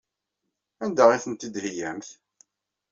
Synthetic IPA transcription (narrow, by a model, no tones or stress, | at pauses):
ænd̪æʁiθənt̪id̪hijæmθ